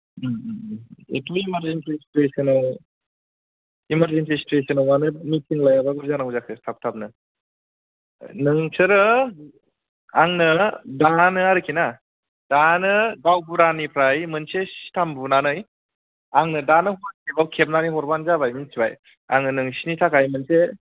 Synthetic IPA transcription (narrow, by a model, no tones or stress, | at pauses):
ḛtʰoimaɾzenpʰɾistɾesɐnaw | imaɾzenpʰɾistɾesɐnawmanɯmitʰiŋlajabaɡɯɾzanawzakʰɯstʰap̚tʰap̚nɯ | nɯŋsʰɯɾɯ | aŋnɯdanɯaɾɯkʰina | d̥anɯɡawbuɾanipʰɾajmɯnsesi̥tʰambunanɯj | aŋnɯdanɯɦɔɾkʰebawkʰep̚naniɦɔɾbanzabajminsiba̰j | a̰ŋnɯnɯŋsinitʰakʰajmɯnse